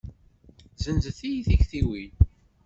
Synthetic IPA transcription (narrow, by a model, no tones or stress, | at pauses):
zənzəθijiθiçθiwil